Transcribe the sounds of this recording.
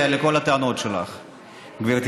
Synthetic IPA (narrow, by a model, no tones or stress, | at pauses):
aleko̞lat̪eano̞t̪ʃela̰χ | ɡviʁt̪